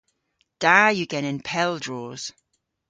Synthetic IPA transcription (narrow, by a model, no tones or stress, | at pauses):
d̥aːjəɡ̥ɛnɪ̃npʰɛlˠdɹɔːz̥